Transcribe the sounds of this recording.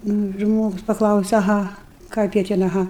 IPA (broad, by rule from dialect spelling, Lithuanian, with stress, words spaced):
ˈnʊ ˈʒmoːɡʊs pɐˈklˠɐʊsʲɛ ɐˈɣɐ ˈkɐɪp jiɛ ˈtʲɛn ɐˈɣɐ